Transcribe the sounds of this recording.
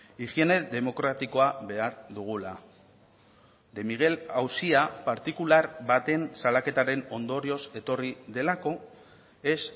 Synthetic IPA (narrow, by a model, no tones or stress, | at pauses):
iʝie̞ne̞ðe̞mo̞kɾat̪iko̞aβe̞aɾðuɣ̞ula | d̪emiɣe̞lawsiapaɾt̪ikulaɾβat̪e̞nsalake̞t̪aɾe̞no̞nd̪o̞ɾio̞se̞t̪o̞riðe̞lako̞ | e̞s